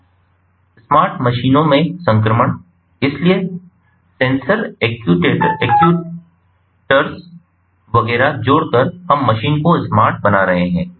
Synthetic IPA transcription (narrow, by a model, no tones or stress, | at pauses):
smaːɾʈmɐʃiːnõmẽsɐ̃ŋkɾəməɳ̃ | ɪslie | sẽːnsəɾeːkjuʈeʈeːkju | ʈəɾs | ʋɐɡɛːɾad͡ʒoːɽkɐɾhɐmːɐʃiːnkoɪsmaːɾʈ̚bɐnaɾɐɦeɦɛ̃ː